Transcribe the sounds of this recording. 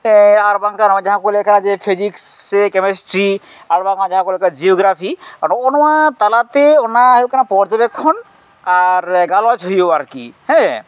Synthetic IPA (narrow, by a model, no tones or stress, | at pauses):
ɛaɾbaŋkaɾwãd͡ʒaɦãkolekanãd͡ʒepʰid͡ʒiksekɛmesʈɾi | aɾbaŋãd͡ʒaɦãkolkad͡ʒiɔɡɾapʰianɔnɔwat̪alat̪eɔnaɦewkanãpɔɾt̪ebɛkʰːɔn | aɾɡalat͡ʃɦɔjobaɾkḭɦɛ̃